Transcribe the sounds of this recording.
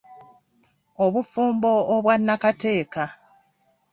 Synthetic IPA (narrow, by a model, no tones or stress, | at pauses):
oβufuːmbo̞ːβwanːakate̞ːka